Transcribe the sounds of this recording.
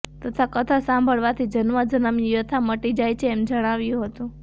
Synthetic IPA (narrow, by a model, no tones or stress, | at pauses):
t̪ət̪ʰakət̪ʰasãmbʱəɭʋat̪ʰid͡ʒənʋad͡ʒənəmjijət̪ʰaməʈid͡ʒajt͡ʃʰeːmd͡ʒəɽ̃aʋjũɦət̪ũ